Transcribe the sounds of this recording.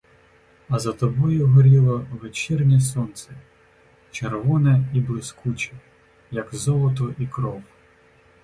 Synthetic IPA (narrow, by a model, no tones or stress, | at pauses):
ɐzɐt̪ɔbɔjʊɦɔɾʲilˠɐʋet͡ʃɛrnʲis̬ɔnt̪sɛ | t͡ʃerʋɔnɛiblˠɪskut͡ʃɐ | jɐkzɔlˠɔt̪̬ɔʔikɾɔw